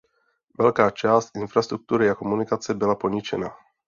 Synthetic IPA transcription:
ʋɛʎkaːt͡ʃaːscinfɾast̪ɾuk̚t̪uːɾiakɔmunikat͡sɛbilapɔɲit͡ʃɛ̰naː

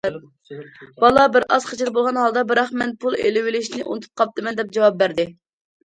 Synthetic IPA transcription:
b̥ɑlˠɑbɪɾʔɑzχet͡ʃʰɪlbolˠʁɑnhɑlˠd̪ɑbɪɾɑχmɛnpʰulˠḛlɪwɪlɪʃnɪʔṵnt̪ʰɨ̥t̪̚qʰɑp̚t̪ɨmɛnd̪ɛp̚d͡ʒɑwɑp̚bæɾd̪ɪ

